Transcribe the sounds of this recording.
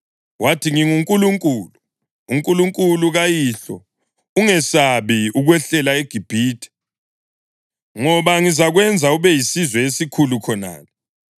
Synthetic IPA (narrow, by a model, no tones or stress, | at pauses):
watʰiŋiŋuŋkʼuluŋkʼuːluː | ŋkʼuluŋkʼuluɣajiɬɔ | uŋɛsaβiuɣwɛɬɛlaeɡ̥ʱib̥ʱiːtʰɛ̥ | ŋɔβaŋizaɣwɛnd͡zʱauβɛjisizwɛesikʰulukʰɔna̰ːnɛ